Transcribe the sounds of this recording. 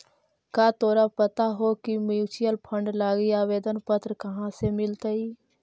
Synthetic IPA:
kaːt̪oːɾapət̪aɦokimjuːt͡ʃijəlpʰə̃ɳɖlaːɡiaːʋeːd̪ənpət̪ɾəkɐɦãsemɪlt̪əiː

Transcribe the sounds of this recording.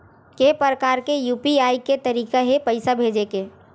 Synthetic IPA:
kepəɾəkaːɾkejuːpiaːiket̪ɐɾiːkaɦepɐɪsabʱeːd͡ʒekeː

